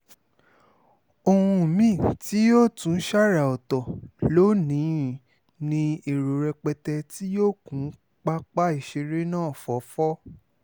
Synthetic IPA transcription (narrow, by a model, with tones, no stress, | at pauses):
o˧hũ˧˨mĩ˦˨ti˨˦jo˦˨tũ˨˦ʃa˦˨ɾa˨ɔ˨tɔ˨lo˦nĩ˨˦˨ | nĩ˧e˨ɾo˨ɾɛ˧k͡pɛ˧tɛ˧ti˦joː˦˨kũ˨˦ | k͡pa˦k͡pa˦i˦˨ʃe˧ɾe˦nãː˦˨fɔ˨˦fɔ˦